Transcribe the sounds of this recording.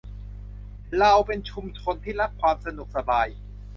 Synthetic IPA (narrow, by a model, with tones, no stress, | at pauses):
ɾa˧wpe˧nt͡ɕʰu˧mt͡ɕʰo˧nt̪ʰiː˥˩ɾa˦˥p̚kʰwaː˧msa˧nu˨˩k̚sa˧baː˧j